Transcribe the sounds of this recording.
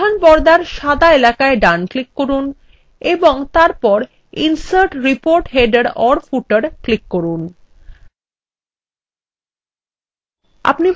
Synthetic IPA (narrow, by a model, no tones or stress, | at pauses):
anpɔɾd̪aɾʃad̪aelakaeɖanklikkoɾun | eboŋt̪aɾpɔɾ | insaɾʈɾipoɾʈɦeɖeɾɔɾfuʈəɾklikːoɾun | a̰pni